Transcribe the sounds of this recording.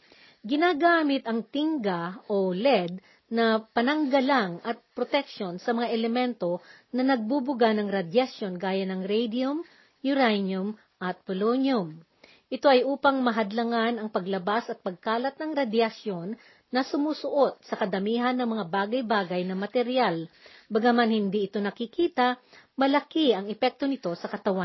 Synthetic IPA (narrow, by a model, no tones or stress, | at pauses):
ɡɪnaːɡaːmɪt̪ɐŋt̪ɪŋɡaʔolɛd̪̚ | nɐpɐnɐŋɡɐlaŋɐt̪̚pɾot̪ɛkʃo̞nsɐmɐŋaʔɛlɛmɛnt̪o̞nɐnɐɡ̚bubʊɡanɐŋɾɐd̪jɐsjo̞nɡaːjɐnɐŋɾɛjd̪iʊm | jʊɾajnjʊm | ʔɐt̪̚pʊlonjʊm | ʔɪt̪o̞ɐjʔuːpɐŋmɐɦɐd̪lɐŋanɐŋpɐɡlɐbasɐt̪̚pɐɡ̚kaːlɐt̪̚nɐŋɾɐd̪jɐsjo̞nː | ɐsʊmuːsʊʔo̞t̪̚sɐkɐd̪ɐmiːɦɐnːɐŋmɐŋabaːɡɐjbaːɡɐjnɐmɐt̪ɛɾjalbɐɡamanhɪnd̪iʔɪt̪onɐkɪkiːt̪ɐmɐlɐkiɐŋɛpɛk̚t̪o̞nɪt̪o̞sɐkɐt̪ɐwa